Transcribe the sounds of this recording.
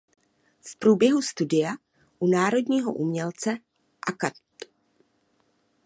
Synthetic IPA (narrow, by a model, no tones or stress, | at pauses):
fpɾuːbjɛɦust̪udɪja | ʔunaːɾo̞dɲiːɦo̰ʔumɲɛlt͡sɛ | ʔaka